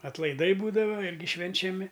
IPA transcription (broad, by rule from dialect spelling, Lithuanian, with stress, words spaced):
ɐtlˠɐɪˈdɐɪ ˈbuːdɐʋɐ ˈɪrʲɡʲɪ ʃʲʋʲɛnʲt͡ʃʲɛˈmʲɪ